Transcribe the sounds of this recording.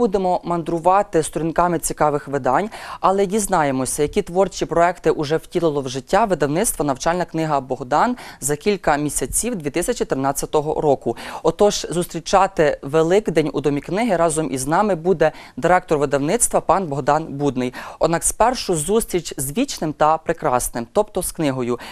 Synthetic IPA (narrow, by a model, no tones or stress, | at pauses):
ud̪emɔmɐnd̪ɾʊʋɑt̪ɪst̪ɔɾʲinkɑmɪt͡sʲikɑʋɪxʋɪd̪ɑnʲɐlˠɛdʲiznɑjemɔsʲɐjɐkʲit̪ʋɔrt͡ʃʲipɾɔɛkt̪ɪʔʊʒɛw̥tʲilˠɪlˠɔwʒɪtʲːaʋɪd̪ɐwnɪst̪ʋɐnɐwt͡ʃɑlʲnɐknɪɦɐbɔɦd̪ɑnzɐkʲilʲkɐmʲisʲɐt͡sʲiwd̪ʲʋʲit̪ɪsʲɐt͡ʃʲit̪ɪɾɪnɑt͡sʲːɐt̪ɔɦɔ̰ɾɔkʊɔt̪ɔʒ̥zust̪ʲɾʲit͡ʃɑt̪ɪʋelˠɪkd̪ɛnʲṵd̪ɔmʲiknɪɦɪɾɑzɔmʔiznɑmɪbud̪ɛd̪ɪɾɛk̚t̪ɔrʋɪd̪ɐwnɪt̪st̪ʋɐpɑnbɔɦd̪ɑnbud̪nɪjɔd̪̚nɑkspɛrʃʊzust̪ɾʲit͡ʃʲzʋʲit͡ʃnɪmt̪ɐpɾɪkɾɑsnɪmt̪ɔpt̪ɔsknɪɦɔjʊ